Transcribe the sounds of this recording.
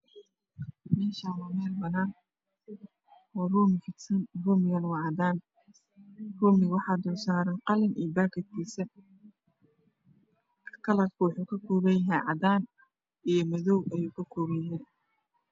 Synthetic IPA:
mɛːʃaːnwɑmɛːlbɐnaːn | ɔːruːmɪfɪt̪sɐnruːmɪɣɐnwɑːʕɑd̪aːn | ruːmɪwɑħɑːd̪ɔːsaːɾɐnqɑlɪnʔḭjbaːkʰɐd̪kʰiːsɐ | kʰɐlɐtkʰʊwɑħuːkʰɐkʰɔːβɐjɐɦɛjʕɑ̰d̪aːn | ʔijɞmɐðɔwʔɐjuːkʰɐkʰɔːβɐjɦɛj

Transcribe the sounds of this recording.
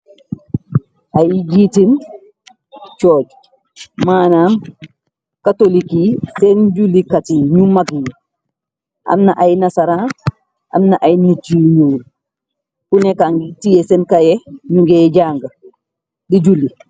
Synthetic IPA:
ʔajd͡ʒitin | t͡ʃɔːd͡ʒ | maːnam | katolikisɛnd͡ʒulikatiɲumaɡi | ʔa̰mnaʔajnasaɾa | ʔa̰mnaʔajnit͡ʃijuːl | kunɛkaŋɡitijɛsɛnkajɛɲuɡɛd͡ʒaːŋɡɐ | did͡ʒuli

